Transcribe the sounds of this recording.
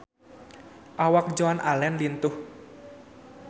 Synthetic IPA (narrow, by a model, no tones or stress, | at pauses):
ʔawak̚d͡ʒɔanʔa̰lɛnlint̪ʊh